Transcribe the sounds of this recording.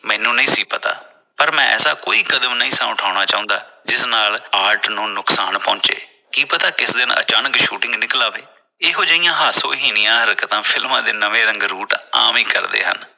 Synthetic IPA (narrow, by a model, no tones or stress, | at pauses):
mɛ̃ːnũːnəĩːsiːpət̪a̰ː | pəɾmɛ̃ːʔɛ̰ːsaːkoːiːkəd̪əmnəĩːsãːʊʈʰaːʊɽ̃aːt͡ʃaːʊ̃nd̪aːd͡ʒɪsnaːlaːɾʈnũːnʊksaːnpɔ̃ːt͡ʃḛː | kiːpət̪aːkɪsd̪ɪnə̰t͡ʃaːnəkʃuːʈɪ̃ŋɡnɪklaːʋeː | eːɦoːd͡ʒaːijãːɦaːso̰ːɦiːnɪjãːɦəɾkət̪ãːpʰɪlmãːd̪eːnəʋeːɾə̃ŋɡɾuːʈa̰ːmiːkə̰ɾd̪ḛːɦə̰n